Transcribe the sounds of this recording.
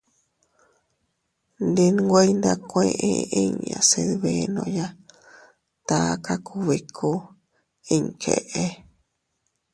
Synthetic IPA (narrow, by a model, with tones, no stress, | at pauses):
nd̪i˧n˦ɡʷe˦i˦nd̪a˧kʷẽ˦˧˦ʔĩ˧i˦ɲ˨ã̰˨se˧ðβe˧nõ̰˧ja˦ | t̪a˦˧˦ka˦kʰu˧βi˧kʰo˦ | i˧ŋ˨kʰḛ˧˨ʔe˦